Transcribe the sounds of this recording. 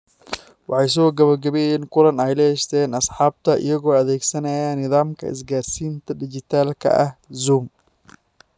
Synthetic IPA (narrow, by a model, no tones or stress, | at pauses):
wɑħɑjs̬ɔːɡɐβɐrɡɐβɛjɛːŋkʰʊlɐnɛjlɛɛʃt̪ʰɛːnɐsħɑːb̚t̪ʰɐʔɪ̰jɐɣɔːɐðɛːɡsɐnɐjaːnɪðaːmkʰɐ̰ɪ̰s̬ɡaːrsiːnt̪ʰɐɖɪt͡ʃɪt̪ʰaːlkʰɐ̰ʔɐhzuːm